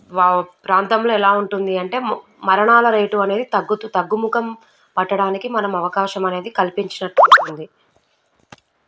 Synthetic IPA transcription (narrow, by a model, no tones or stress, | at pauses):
ʋaːpɾaːnt̪ɐmlo̞ːɛlaːuɳʈund̪iɐɳʈe̞ː | mɐɾɐɳaːlɐɾeːʈuɐne̞ːd̪it̪ɐɡːut̪ut̪ɐɡːumukɐm | pɐʈːɐɽaːnikimɐnɐmɐʋɐkaːʃɐmɐne̞ːd̪ikɐlipiɲt͡ʃinɐʈːluʈund̪i